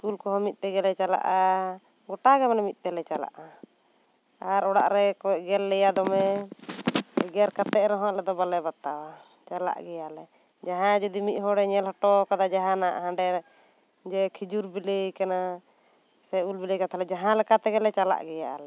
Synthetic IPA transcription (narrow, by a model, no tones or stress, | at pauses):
skulkɔɦɔmit̪̚t̪ɛɡɛlɛt͡ʃala̰ʔa | ɡɔʈaɡɛmɛnɛmit̪̚ˀt̪ɛlɛt͡ʃala̰ʔa | aɾɔɽa̰ʔɾɛkɔɛʔɡɛlːɛjad̪ɔmɛ | ɛɡɛɾkat̪ɛʔɾɔɦɔ̃ãʔlɛd̪ɔbalɛbat̪awa | t͡ʃala̰ʔɡɛjalɛ | d͡ʒaɦãd͡ʒɔd̪imit̪̚ˀɦɔɽɛɲɛlɦɔʈɔkad̪ad͡ʒaɦãnaʔɦãɖɛ | d͡ʒɛkʰid͡ʒuɾbilejkana | sɛulbilekat̪ʰalɛd͡ʒaɦãlɛkat̪ɛɡɛlɛt͡ʃala̰ʔɡɛja̰ʔa̰lɛ